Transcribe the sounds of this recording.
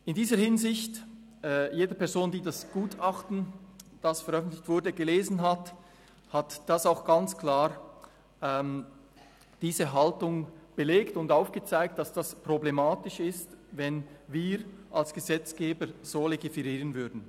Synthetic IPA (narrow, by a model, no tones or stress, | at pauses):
ɪndiːzəɾhɪnzɪçtː | jeːdəpɛɐzoːndiːdasɡ̥uːtʰaχtn̩d̥asfɛɾœfn̩tlɪçtv̥ʊɐdəɡəleːzn̩ɦat | hatd̥asaʊxɡ̥ant͡skl̥aːɾ | ɛm | d̥iːzəɦaltʊŋb̥əleːktʊndaʊfɡ̥ət͡saɪk̚t̚d̥asd̥aspʁ̥oblemaːtɪʃɪstvɛnviːɾʔalsɡ̥əzɛt͡sɡ̥eːbəɾz̥oːleɡifɛʁiːʁənvʏɐdn̩